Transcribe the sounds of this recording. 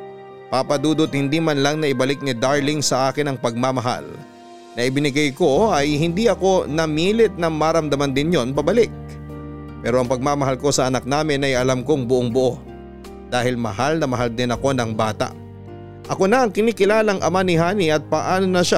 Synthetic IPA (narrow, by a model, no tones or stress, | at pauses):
papɐd̪uːd̪ot̪̚hɪnd̪iːmanlɐŋnɐʔɪbɐlɪk̚nɪd̪aɹlɪŋsɐʔaːkɪnɐŋpɐɡ̚mamɐɦa̰l | nɐʔɪbɪnɪɡajko̞ɐjhɪnd̪iʔɐko̞nɐmiːlɪt̪̚nɐŋmaɾɐmd̪ɐmɐnd̪ɪnjo̞nbɐbɐlɪk̚ | pɛːɾoɐŋpɐɡ̚mamɐɦalko̞sɐʔɐnak̚naːmɪnɐjɐlamko̞ŋbʊʔoŋbʊʔo̞ | d̪̥aːhɪlmɐ̰ɦalnɐmɐɦald̪ɪnɐko̞nɐŋbaːt̪ɐ̰ʔ | ʔɐko̞nɐʔɐŋkɪniːkɪlaːlɐŋʔɐmanɪɦaːniʔɐt̪̚pɐʔaːnonɐʃa